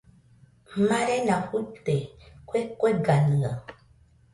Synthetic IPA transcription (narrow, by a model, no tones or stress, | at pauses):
maɾɛnafutekwekweɡanɨŋa